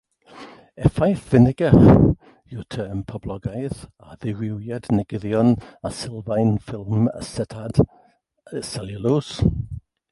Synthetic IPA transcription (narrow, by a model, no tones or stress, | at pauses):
ɛfajθv̥ɪnɪɡəχ | jutʰəːmpʰɔblɔɡajðaðɪɹɪwjɛdnɛɡɪðjɔnasɪlˠvajnfɪlˠmə̰sɛtʰad̥ | sɛləlus